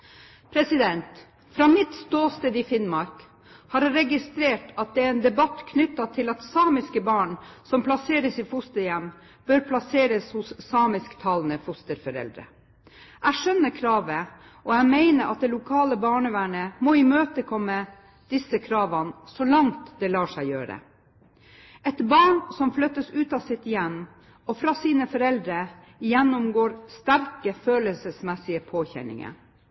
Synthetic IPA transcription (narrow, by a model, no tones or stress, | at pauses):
pʰɾɛsɪd̪ɛnt̪ | fɾɑːmɪt̪st̪oːst̪eːd̪ɪfɪnmɑɾk | hɑɾɾɛɡɪst̪ɾeːʈɑt̪̚d̪ɛæɾɛnd̪ɛbɑt̪kʰnʏt̪ːɑt̪ʰɪlɑt̪sɑːmɪskəbɑːɳsɔmpʰlɑseːɾəsiːfʊst̪əɾjɛm | b̥øɾpʰlɑseːɾəshʊsːɑːmɪskt̪ʰɑːlnəfʊst̪əɾfɔɾɛ̰ld̪ɾə̰ | ʔæɪʂœnːəɾkʰɾɑːʋə | ʔɔæmeɪnəɾʔɑt̪̚d̪ɛlʊkʰɑːləbɑːɳəʋæːɳəmoːɪmøːt̪əkʰɔmːə | d̪̥ɪsəkʰɾɑːʋɑnsɔlɑŋt̪d̪ɛlɑːʂæɪjøːɾə̰ | ɛt̪bɑːɳsɔmflœt̪ːəsʉːt̪ɑsɪt̪jɛmː | ɔfɾɑːsiːnəfɔɾɛld̪ɾə | jɛnːʊmɡoːɾst̪æɾkəføːləsəsmɛsɪəpʰoːçɛ̰nɪ̰ŋə̰